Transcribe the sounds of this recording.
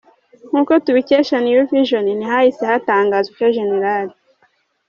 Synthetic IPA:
ŋ̥huːkotuβiceːʃanijufiʒoninihahisehataːŋɡazikoʒeneɾaːɾi

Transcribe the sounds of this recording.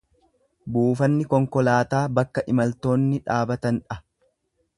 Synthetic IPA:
buːfɐnːɪkɔŋkɔlaːt̪aːbɐkːɐʔɪmɐlt̪o̞ːnːɪᶑaːbɐt̪ɐnᶑɐ

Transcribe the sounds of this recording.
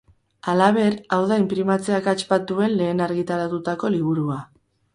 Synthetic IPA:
alaβ̞e̞ɾawðaimpɾimat͡se̞akat͡ʃpat̪ue̞nle̞ːnaɾɣit̪aɾat̪ut̪ako̞liβ̞uɾua

